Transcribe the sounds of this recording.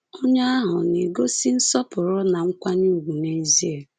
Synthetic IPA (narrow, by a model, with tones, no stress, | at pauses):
o˦ɲa˦a˦ɦʊ˨ne˨ɡo˦si˦n̩˦sɔ˦pʊ˨ɾɔ˦na˨ŋ̩˦kʷa˦ɲi˦u˨ɡʷu˨ne˦zi˦e˨